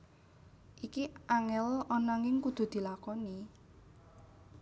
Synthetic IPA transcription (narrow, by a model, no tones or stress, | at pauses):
ʔikiʔaŋɛlɔnaŋɪŋkud̪̥ṳd̪̥i̤lakɔni